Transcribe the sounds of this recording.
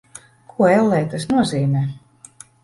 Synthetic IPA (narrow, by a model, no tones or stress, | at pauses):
kʰuɔɛlˠːɛːt̪asnuɔziːmʲɛ